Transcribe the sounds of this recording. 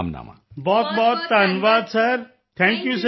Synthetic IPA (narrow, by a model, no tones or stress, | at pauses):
mna̰ma̰ | bɔːt̪̚bɔːt̪ːaːnʋaːd̪sɐɾ | t̪ʰɛ̃ŋkjuːs